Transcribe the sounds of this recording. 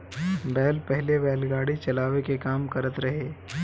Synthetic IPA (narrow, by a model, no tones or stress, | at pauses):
bɛːlpɛɦlebɛːlɡaːɽit͡ʃɐlaːʋekekaːmkɐɾət̪ɾɐɦeː